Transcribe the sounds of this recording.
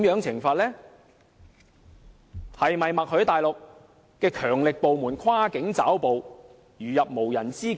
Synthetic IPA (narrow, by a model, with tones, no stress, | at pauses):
mjœː˨˥ŋt͡sʰɪ˨˩ŋfaː˧t̚lɛː˥ | hɐ˨jmɐ˨jmɐ˨k̚hɵ˨˥ɥt̪aː˨jlʊ˨k̚ː | ɛː˧kʰœː˨˩ŋlɪ˨k̚po˨wmuː˨˩nkʰwaː˥kɪ˨˥ŋt͡saː˨˥wpo˨w | jyː˨˩jɐ˨p̚mo˨˩wjɐ˨˩nt͡siː˥